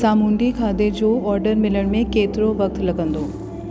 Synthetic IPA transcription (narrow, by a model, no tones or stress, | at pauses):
aːmũːɳɖikʰaːd̪ed͡ʒoːɔːɾɖəɾmɪləɽ̃mẽkeːt̪ɾoʋɐk̚t̪lɐɡə̃nd̪oː